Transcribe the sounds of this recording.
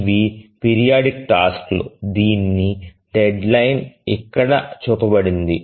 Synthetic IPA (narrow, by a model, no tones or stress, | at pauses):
ʋipiːɾijaːɖikʈaːsklṵd̪iːnːi | ɖeɖlɐjnikːɐɽɐt͡ʃuːpɐbɐɽind̪i